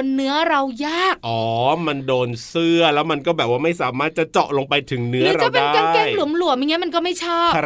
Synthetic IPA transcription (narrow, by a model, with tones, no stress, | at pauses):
o˧nːɯ˦˥ɐɾa˧wjaː˥˩k̚ʔɔː˩˦ma˧ndoː˧nsɯ˥˩ɐlɛː˦˥wma˧nkɔː˥˩bɛː˨˩p̚waː˥˩ma˥˩jsaː˩˦maː˥˩t̪̚t͡ɕa˨˩t͡ɕɔ̰˨˩ʔlo˧ŋpa˧jt̪ʰɯ˨˩˦ŋnɯ˦ɾɐɯː˨˦ɾat͡ɕa˨˩pe˧aː˧˥˧kaː˧˥nkɛː˥˩jlu˨˩˦mlu˨˩˦əmja˧ŋi˦˥ma˧nkɔː˥˩ma˥˩jt͡ɕʰɔː˥˩